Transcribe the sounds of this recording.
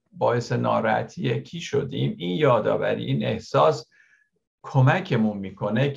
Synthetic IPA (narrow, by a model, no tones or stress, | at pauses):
bɒːe̞se̞nɒːɾæt̪ʰijecʰiːʃo̞d̪iːmiːnjɒːd̪ɒ̰ːvæ̰ɾḭʔiːne̞hsɒːs | kʰomæcʰe̞munmiːkʰo̞ne